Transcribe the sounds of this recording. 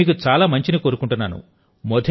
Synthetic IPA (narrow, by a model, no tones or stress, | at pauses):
iːkut͡ʃaːlaːmɐɲt͡ʃiniko̞ːɾukuɳʈunːaːnṵ | mɔd̪ʱ